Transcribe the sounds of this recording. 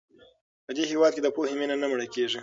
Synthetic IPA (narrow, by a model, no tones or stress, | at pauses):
pəd̪ehewɑd̪̚ked̪əpoheminanamɽəkeʐi